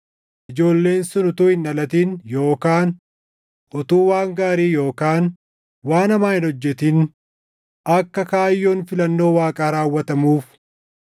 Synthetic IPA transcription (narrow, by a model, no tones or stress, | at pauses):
ʔɪd͡ʒo̞ːlːe̞ːnsʊnʊt̪uːhɪnɐlɐt̪iːnjo̞ːkaːn | ʔɔt̪uːwaːŋɡaːɾiːjo̞ːkaːn | waːnɐmaːhɪnɔd͡ʒːɛt̪in | ʔɐkːɐkaːjːo̞ːnfɪlɐnːo̞ːwaːkʼaːɾaːwːɐt̪ɐmuːf